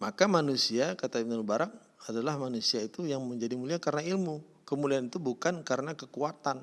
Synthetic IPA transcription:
makamanusiakat̪aibnulbaɾak̚ | adalahmanusiait̪ujaŋməɲd͡ʒadimuliakaɾənailmu | kəmulianit̪ubukankaɾənakəkuat̪an

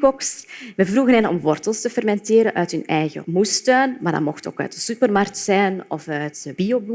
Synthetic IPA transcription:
kɔksʋɛvruɣənɛnɔ̰mʋɔrtəlˠstəfɛrmɛnteːɾənʔœɥtɦɵnɛjɣə̰mustøːnmaːrdɑ̰nmɔxto̰ːkœ̰ːtəsypərmark̚tsɛjnɔfœɥtbiobu

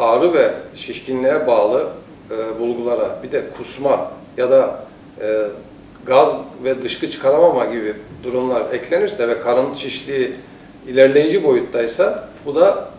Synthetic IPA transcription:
aːɾɯvɛʃiʃcinlʲijɛbaːlˠɯ | ɯːbulˠɡulˠaɾabid̪ɛkʰusma | jad̪aː | ɡazvɛd̪ɯʃkɯt͡ʃʰkʰaɾamamaɟibid̪uɾumlˠaɾɛclʲeniɾsɛvɛkʰaɾɯnʃʰiʃlʲiː | ilʲæɾlʲe̞jid͡ʒibo̞jut̪ːajsabud̪a

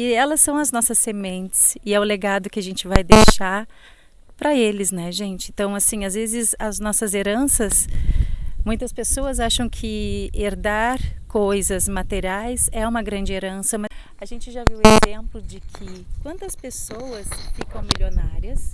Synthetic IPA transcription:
ɪɛlɐsːɐ̃w̃ɐznɔsɐsːemẽnt͡ʃɪ̥sɪɛʊleɡad̪ʊkɪaʒẽnt͡ʃɪvajd̪ejʃaɾ | pɾɐelɪznɛʒẽnt͡ʃɪẽnt̪ɐ̃w̃asĩazvezɪzɐznɔsɐzeɾɐ̃sɐs | mũj̃t̪ɐspesoɐzaʃɐ̃w̃kʰɪeɾd̪aɾkojzɐzmat̪eɾiajsɛũmɐɡɾɐ̃nd͡ʒɪeɾɐ̃sɐmɐ | aʒẽnt͡ʃɪʒaviwezẽmplʊd͡ʒɪkʰɪkwɐ̃nt̪ɐspesowɐsfikɐ̃w̃milonaɾiɐs

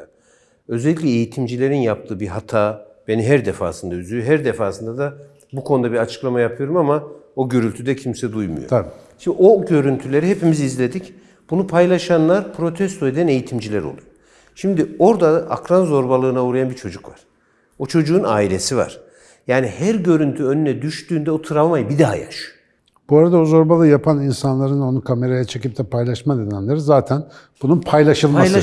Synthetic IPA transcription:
ø̞zelʲːiclʲɛejit̪ʰimd͡ʒilʲe̞ɾinjap̚t̪ʰɯːbiɦat̪ʰaːb̥e̞niɦæɾd̪efa̰ːsɯnd̪ayzyjɦæɾd̪efaːsɯnd̪ad̪a | bukʰo̞nd̪abiɾat͡ʃʰɯ̥klˠamajapʰɯjo̞ɾumamao̞ɟø̞ɾylʲt̪ʰyd̪ɛcʰimsɛd̪ujmṵjo̰bʃimd̪io̞ɟø̞ɾynt̪ʰylʲe̞ɾiɦepimiziizlʲe̞d̪ic | b̥unupʰajlˠaʃanlˠaɾpʰɾo̞t̪ʰɛst̪ʰo̞e̞d̪æne̞jit̪ʰimd͡ʒilʲæɾo̞̰lˠuj | ʃimd̪io̞ɾd̪aa̰kɾanzo̞ɾbalˠɯːnauːɾajanbit͡ʃʰo̞d͡ʒukva̰ɾ̥ | o̞t͡ʃʰo̞d͡ʒuːna̰ːilʲe̞siva̰ɾ̥ | jaːnihæɾɟø̞ɾynt̪ʰyø̞nynɛd̪yʃt̪yːnd̪ɛot̪ʰɯɾavmajbid̪aɦa̰ja̰ʃ | b̥uaɾad̪aozo̞ɾbalˠɯjapʰaninsanlˠaɾɯno̞nukʰame̞ɾajat͡ʃʰe̞cip̚t̪ʰɛpʰajlˠaʃmad̪enæmlʲeɾizaːt̪ʰæn | b̥ununpʰajlˠaʃɯlˠma

